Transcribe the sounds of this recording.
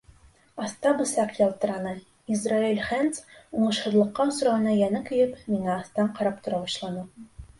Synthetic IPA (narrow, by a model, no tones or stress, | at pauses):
ɑst̪ɑbɤ̆sɑqjɑlˠt̪ɤ̆ɾɑnɤ | izrailʲχænt̪suɴɤ̆ʃhɤ̆ðlˠɤ̆qːɑus̆ɾɑɤ̆nɑjænɘkɵ̆jɘpmiŋæɑθt̪ɑɴqɑɾɑp̚t̪ŏɾɑbɒɕlˠɑnɤ